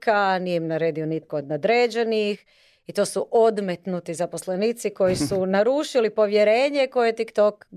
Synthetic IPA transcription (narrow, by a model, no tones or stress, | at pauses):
kanijɛmnaɾe̞d̪ionit̪kood̪nad̪ɾeːd͡ʑenix | it̪o̞ːsuʔo̞d̪met̪nut̪izapo̞slenit̪siko̞jisunaɾuːʃilipo̞ʋje̞ɾe̞ːɲeko̞jet̪ikt̪ok